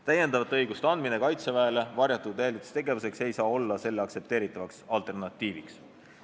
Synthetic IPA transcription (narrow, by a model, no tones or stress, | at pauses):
t̪æjend̪ɑvɑt̪ːɤjɡ̥ust̪eɑnd̪̥minekɑjt̪sevæele̞vɑrjɑt̪ːˑud̪elit̪e̥st̪eɡe̞vuse̞kse̞jsɑːo̞lːɑse̞lːeɑkse̞p̚t̪eːɾit̪ːˑɑvɑksɑlt̪ˑe̞rnɑt̪ʲˑːiːviks